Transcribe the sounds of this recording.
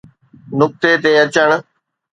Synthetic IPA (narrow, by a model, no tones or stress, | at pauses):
nʊk̚t̪et̪eːɐt͡ɕəɽ̃